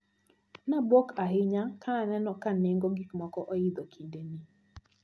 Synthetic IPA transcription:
nabɔkaɦɪɲakʰanɛnɔkan̩ːeŋ̩ɡɔɡikmɔkɔʔɔjɪd̪ɔkʰindeni

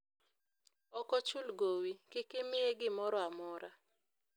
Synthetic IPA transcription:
ɔkɔt͡ʃʊlɡowikɪkɪmɪeɡɪmɔɾɔamɔɾa

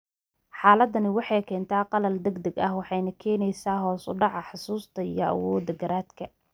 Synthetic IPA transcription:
ħɑːlɐd̪ɐnɪwɑħɑjkʰɛːnt̪ʰaːqɑlɐld̪ɐɡd̪ɐɡɐhwɑħɑjnɐkʰɛːnɛjsaːɦɔːsʊ̰ɖɑʕɑħʊsuːst̪ʰɐḭjɞʔɑ̰wɔːd̪ɐɡɐɾaːd̪kʰɐ

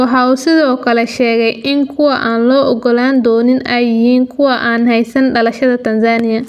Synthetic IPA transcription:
wɑħɑːuːsɪðɔːkʰɐlɛʃɛːɣɛjʔɪŋkʰʊwɐʔaːnlɔːʔɔɣɔlaːnd̪ɔːnɪnɛjːɪhiːŋkʰʊwɑʔaːnhɛjsɐnɖɐlɐʃɐðɐt̪ʰɐnsaːnɪjɐ

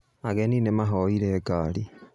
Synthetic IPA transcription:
aɣɛninemaɦɔiɾɛɡali

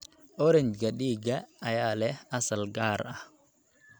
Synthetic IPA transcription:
ʔɔɾɛnt͡ʃɡɐɗiːɡɐɐjaːlɛhɐsɐlɡaːɾɐh

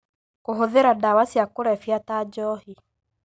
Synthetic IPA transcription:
koɦoðeɾadawasjakoɾɛfjatad͡ʒɔhi

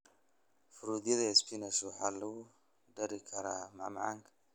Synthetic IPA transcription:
fɨɾud̪ilespinɐsuħalːɐwu | dɐɾikʰaɾama̰ʕmaʕaŋk

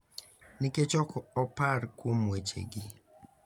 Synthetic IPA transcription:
nɪket͡ʃɔkɔɔpaɾkwomwet͡ʃḛɡɪ

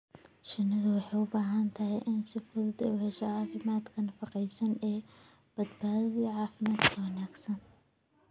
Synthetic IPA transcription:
ʃɪnːɐðɐwɑħɑjʊbaːɦɐnt̪ʰɐɦɛjʔɪnsɪfʊðɐd̪ɛ̰wɛʃɐʕɑːfɪmaːd̪kʰɐnɐfɑqɛjsɐnɛː | b̥ɐd̪baːðɐðiːʕɑːfɪmaːd̪kʰɐwɐnaːɡsɐn

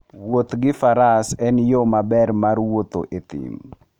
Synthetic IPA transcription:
wot̪ɡɪfaɾasɛnjomabɛrmarwot̪o̰ʔet̪ɪ̰m

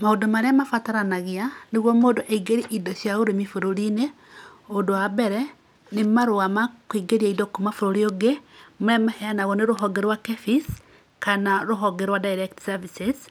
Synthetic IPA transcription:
maodomaɾeamafataɾanaɣianeɣwɔmodoʔaiɡeɾiʔidosjaɣoɾemifoɾoɾine | odoabɛɾɛ | nemaɾoamakwiɡeɾiaidokomafoɾoɾioɡemoɛmahɛanaɣɔneɾoɦɔɡeɾwakefis | kanaɾoɦɔɡeɾwadaiɾektsavises

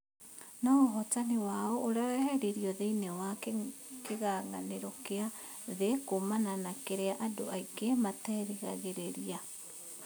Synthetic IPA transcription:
nɔɦɔtanewaoʔːɾaɛhɛɾeɾiɔðeinewa | keɣaːŋaneɾɔkea | ðekomananakeɾeaʔadoʔaikematɛːɾiɣaɣeɾeɾia

